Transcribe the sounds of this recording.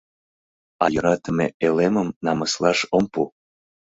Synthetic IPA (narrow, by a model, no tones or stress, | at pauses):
ɑjɤ̆ɾɑt̪ə̆mḛʔeleməmnɑməslɑʃompu